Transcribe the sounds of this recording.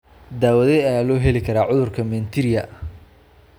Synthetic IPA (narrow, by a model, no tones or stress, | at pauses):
d̪aːwɐðɛjɐjaːlɔːɦɛlɪkʰɐɾaːʕʊðʊrkʰɐmɛːnt̪ʰɪɾɪjɐ